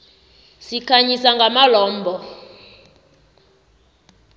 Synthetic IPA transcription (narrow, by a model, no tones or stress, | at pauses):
sikʰaɲisaŋɡʱamalɔːmbʱɔ